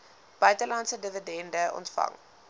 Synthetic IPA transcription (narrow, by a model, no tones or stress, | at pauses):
b̥œɥtəlɐntsədəvədɛndəʔɔ̰ntfɐ̰ŋ